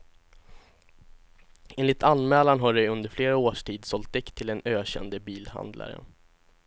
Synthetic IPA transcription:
eːnlɪt̪ʰanmɛːlanɦaɖɛjɵnd̪əɾfleːɾaoːʂʈʰiːd̪sɔlt̪̚d̪ɛkt̪ʰɪld̪ɛnøːɕɛ̰nd̪əbiːlha̰nd̪la̰ɾə̰

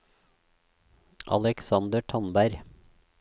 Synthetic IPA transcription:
ʔɑ̰lɛksɑnd̪əʈʰɔnbæɾ

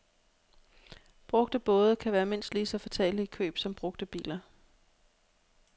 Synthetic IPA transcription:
b̥ʁɔ̽ɡ̥̚d̥əb̥ɔ̽ːð̞ˠəkʰæʋæːɐmen̰slisɒ̽fæt͡sʰɛ̰ːlikʰø̰ːb̥sɒ̽mb̥ʁɔ̽ɡ̥d̥əb̥ḭːlɐ

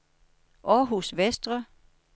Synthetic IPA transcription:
ʔɒɦusʋesd̥ʁɐ

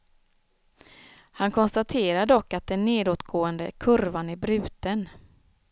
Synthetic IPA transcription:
hankʰɔnst̪at̪ʰeːɾaɖɔkːat̪̚d̪ɛnːeːd̪oːt̪ɡoːənd̪əkʰɵɾvanæɾbɾʉ̟ːt̪ən

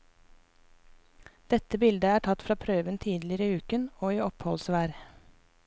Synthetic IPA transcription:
d̪̥ɛt̪əbɪld̪əæːʈʰɑt̪fɾɑːpʰɾøːʋənt̪ʰiːd̪lɪɾəʉːkənoːiːɔphɔlsʋæːɾ

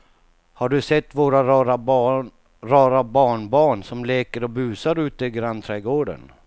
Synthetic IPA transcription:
haɖɵsɛt̪ːvoːɾaɾɑɾa | ɾɑːɾabɑːɳbɑːɳsɔmleːkəɾɔbʉ̟ːsaɾʉ̟ːt̪əɪɡɾant̪ʰɾɛːɡoːɖə̰n

